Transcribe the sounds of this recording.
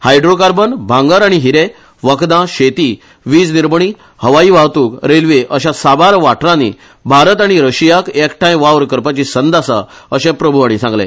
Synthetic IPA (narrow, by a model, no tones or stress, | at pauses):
hajɖɾokaɾbənbʱãŋɡəɾaɽ̃iɦiɾe | ʋəkd̪ãɕet̪iː | ʋiːd͡zniɾməɳ̃i | həʋaiːʋaɦt̪uːkɾelʋeʔəɕasabaɾʋaʈɾãnḭ | bʱaɾət̪aɽ̃iɾəɕijakekʈʰãjʋaʋɾkəɾpat͡ɕisənd̪asa̰əɕɛ̃pɾəbʱuɦaɽ̃isãŋɡlḛ̃